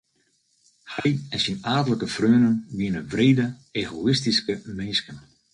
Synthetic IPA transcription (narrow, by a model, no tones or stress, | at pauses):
hɛjɛnsinaːdələkəfrøənənʋiənəʋreːdəeːɣoɪstiskəmɪnskən